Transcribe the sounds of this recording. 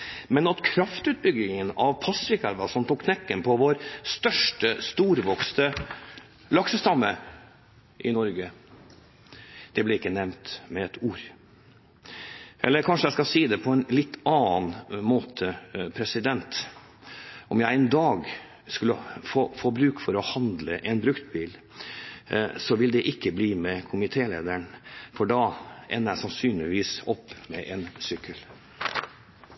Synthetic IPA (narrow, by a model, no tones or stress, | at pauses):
mɛnɑt̪kʰɾɑft̪ʉːt̪̚bʏɡɪŋənɑʋpʰɑsɪkʰɑlʋɑsɔmt̪uːkːʰnɛkːənpʰɔʋoɾst̪œʂʈəst̪uːɾʋɔkst̪ə | lɑksəst̪ɑmːə | ʔɪnɔɾɡə | d̪̥ɛblɛɪkːənɛmt̪mɛɛt̪ʰuːɾ | ʔɛ̰lːəɾkʰɑnʂəæɪskɑsiːd̪ɛpʰɔɛnlɪt̪ːɑːnmoːt̪ʰəpʰɾɛsɪd̪ɛnt̪ | ʔɔmjæɪɛnd̪ɑːɡ | skʉlːəfoːfoːbɾʉːkfɔɾɔhɑnd̪ləʔɛnbɾʉkt̪̚biːl | sɔʋɪld̪ɛʔɪkːəbliːmɛkʰʊmɪt̪ʰeːlḛːd̪əɳfɔɖɑʔɛ̰nːəjæsɑnsyːnlɪʋiːsɔpːmɛʔɛnsʏkʰːəl